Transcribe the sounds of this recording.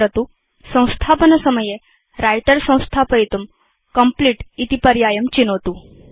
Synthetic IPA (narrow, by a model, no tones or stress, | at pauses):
ɾət̪u | sə̃w̃st̪ʰapənəsəməje | ɾajʈəɾsə̃w̃st̪ʰapəit̪um | kəmpliːʈit̪ipɐɾjajəmt͡ɕinot̪u